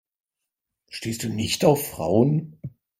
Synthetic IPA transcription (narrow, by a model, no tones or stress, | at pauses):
ʃteːstd̥uːnɪçtaʊfʁ̥a̰ʊən